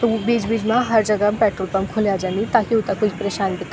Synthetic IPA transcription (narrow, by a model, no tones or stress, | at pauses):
t̪oubiːd͡ʒbiːd͡ʒmãɦɐɾd͡ʒɐɡapɛːʈɾoːlpɐmkʰoljad͡ʒanit̪akiut̪akut͡ʃi̥pɾeːʃaːnb̪ik